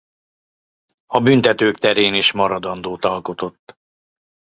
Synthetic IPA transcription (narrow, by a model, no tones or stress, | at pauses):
ɒbynt̪ɛt̪øːkt̪ɛɾeːniːʃmɒɾɒd̪ɒnd̪oːt̪ɒlko̞t̪o̞t̪ː